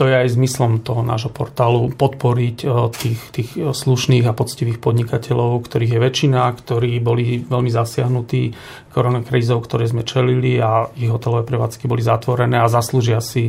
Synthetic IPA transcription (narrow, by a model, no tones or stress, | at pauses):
t̪ɔjɛajzmislɔmt̪ɔɦɔna̰ːʒɦɔpɔɾt̪aːlupɔt̪pɔɾict̪iːxt̪iːxsluʃniːɣapɔt͡sciʋiːxpɔd̪ɲikacʰɛlɔʊkt̪ɔɾiːɣjɛʋɛt͡ʃinakt̪ɔɾiːbɔliʋɛlmizasɪaɦnut̪iː | kɔɾɔnakɾiːzɔʊkt̪ɔɾɛːzmɛt͡ʃɛliliaiɣɦɔt̪ɛlɔʋɛːpɾɛʋa̰ːt͡skibɔlizat̪ʋɔɾɛnɛːazasluːʒɪasi